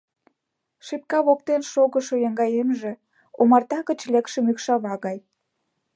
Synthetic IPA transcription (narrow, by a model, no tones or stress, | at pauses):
ʃip̚kɑβok̚t̪enʃoɣə̆ʃojɑŋɡɑjemʒĕ | omɑrt̪ɑkə̆t͡ɕlekʃə̆mykʃɑβɑɣɑj